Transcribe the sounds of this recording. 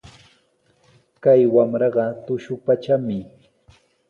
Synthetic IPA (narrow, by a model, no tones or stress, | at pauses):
kajwamɾɑɢɑt̪ʊʃʊpat͡ʃamɪ